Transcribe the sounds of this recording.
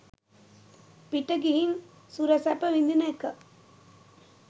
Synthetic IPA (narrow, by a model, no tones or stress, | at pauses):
piʈəɡiɦin | suɾɐsapəʋind̪inɐekə